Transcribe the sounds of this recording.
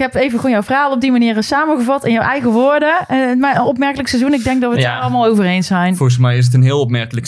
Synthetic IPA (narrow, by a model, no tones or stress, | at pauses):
kɦɛpejvəɣoːnjɔwvəraːlˠɔb̚dimaniːrəsaːməɣəvɑtɪnjəwʔɛjɣəʋoːɹdəmaənɔpmɛɹkələksɛzunɪɡ̚dɛŋk̚dɑtʋəaːɑlˠmaːlˠowvərejnsɛjnorɣəsmɛjɪs̬ətənɦɪːlˠɔpmɛrkələk